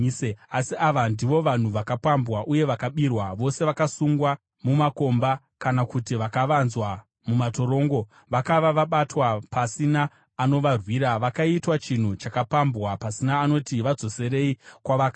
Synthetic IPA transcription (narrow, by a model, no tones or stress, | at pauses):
asiʔaʋandiʋo̞ʋan̤uʋakapambwaʔuje̞ʋakaɓirwaʋo̞se̞ʋakasuŋɡwa | mumako̞mba | kanakutiʋakaʋanzwa | mumato̞ɾo̞ːŋɡo̞ | ʋakaʋaʋaɓatwapasinaː | no̞ʋarwiːɾaʋakaitwat͡ʃin̤ut͡ʃakapambwapasinaːno̞tiʋad͡zo̞se̞ɾe̞ikwaʋaka